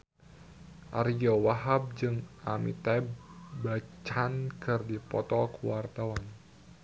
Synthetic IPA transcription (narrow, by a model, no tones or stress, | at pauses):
ʔa̰ɾijowaɦab̚d͡ʒɨŋamit̪ɛbbat͡ʃankɨrdipɔ̰t̪ɔkuwart̪awan